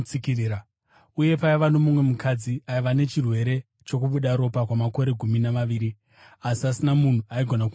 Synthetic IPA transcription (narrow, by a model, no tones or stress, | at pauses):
t͡sikiriɾa | uje̞paiʋano̞mumwe̞mukʰad͡ziaiʋane̞t͡ʃirwe̞ɾe̞ | t͡ʃo̞kuɓuɗaɾo̞pakwamako̞ɾe̞ɡʱuminaʋaʋiːɾi | asiasinamun̤uaiɡʱo̞naku